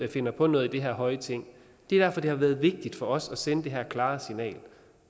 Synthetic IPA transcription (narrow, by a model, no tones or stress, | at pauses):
æfe̝n̰ɐpʰɒ̽nɔ̽ːð̞̩ˠid̥e̝ɦæɐ̰ɦɒ̽ɪət͡sʰe̝ŋ̰ | d̥e̝ɐd̥æɐfɒ̽d̥e̝hɑ̈ʋæːɐð̞̩ˠʋe̝ɡ̥̚d̥id̥fɒ̽ʔɒ̽sɒ̽senəd̥e̝ɦæɐkʰlɑ̈ːsinɛ̰ːl